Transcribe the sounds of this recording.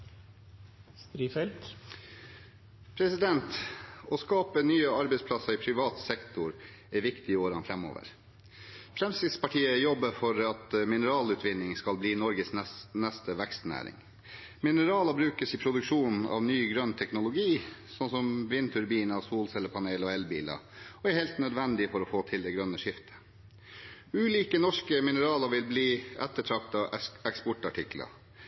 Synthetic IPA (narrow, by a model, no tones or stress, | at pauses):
st̪ɾiːfɛlt̪ | pʰɾɛsɪd̪ɛnt̪ɔskɑːpənyːəɑɾbɛɪspʰlɑsɑɾɪpʰɾɪʋɑːt̪sɛkt̪ʊɾ | iʋɪkt̪ɪoːɾɑnfɾɛmo̰ːʋə̰ɾ | fɾɛmsɪspɑʈʰiːəjɔbːəfɔɾɑt̪mɪnəɾɑːlʉːt̪ʰʋɪnːɪŋskɑlbliːnɔɾɡəsɛnɛst̪əʋækst̪næ̰ːɾɪ̰ŋ | mɪnəɾɑːlɑbɾʉːkəsɪpʰɾʊd̪ʉkʂuːnn̩ɑ̰ʋnyːɡɾœnt̪ʰɛknʊlʊɡiːsɔnsɔmʋɪnt̪ʰʉɾbiːnɑʋsuːlsɛlːəpʰɑneːlɔɛlbḭːlɑ̰ | ɔæɾhɛlt̪nœd̪ʋɛnd̪ɪfɔɾɔfoːt̪ʰɪld̪ɛɡɾœnːəʂɪft̪ʰə̥ | ʉːliːkənɔʂkəmɪnəɾɑːlɑɾʋɪlbliːɛt̪ːəʈʰɾɑk̚t̪ɑɛkspɔʈɑʈʰɪklɑ̰